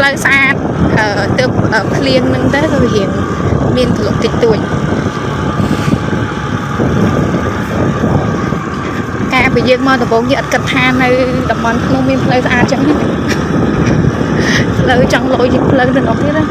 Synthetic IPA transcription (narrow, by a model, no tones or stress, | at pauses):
pləwsʔaːt̪̚ʔəːt̪əːp̚ʔəːpʰliənnɨŋt̪ɨːkɑːʋiɦiən | miənp̪ʰəloʔ̚t̪ɨc̚t̪uəc̚ | kaːpiəjəəŋmaət̪ɑmɓoːŋjəːʔɑt̪̚kɨt̪ʰːaːnɨwɗɑmɓɑnkʰnumiənpʰləwsʔaːt̪̚t͡ɕəŋna | pʰləwt͡ɕɑŋloʔojpʰləknɨnɔ̆əŋ̚t̪iət̪̚a